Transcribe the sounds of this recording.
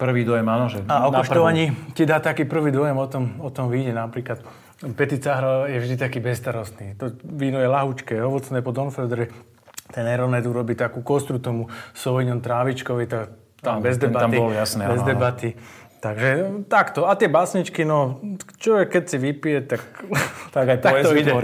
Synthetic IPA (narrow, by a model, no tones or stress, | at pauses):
pr̩ʋiːd̪ɔjɛmanɔʒɛaɔk̪ɔʃɔʋaɲicid̪aːt̪akiːpr̩ʋiːd̪ɔjɛmɔt̪ɔmɔt̪ɔmʋiɟɛnapɾiːklat̪ | pɛt̪it͡saɦɾɔjɛvʒd̪it̪akiːbɛst̪aɾɔst̪niːt̪ɔʋiːnɔjɛlaɦut͡ʃkɛɔʋɔt͡snɛːpɔd̪ɔnfɛld̪ɾɛ | t̪ɛnɛɾɔnɛd̪uɾɔbiːt̪akuːkɔst̪ɾut̪ɔmusɔiɲɔnt̪ɾaːʋit͡ʃkɔʋit̪a | t̪abɛzd̪ɛbaamɔlɔjasnɛbɛzd̪ɛbat̪i | t̪aɡʒɛt̪akt̪ɔat̪ɪɛbasɲit͡ʃkinɔt͡ʃɔʋɛkːɛcsiʋipijɛt̪akt̪aɡajaɔiɛ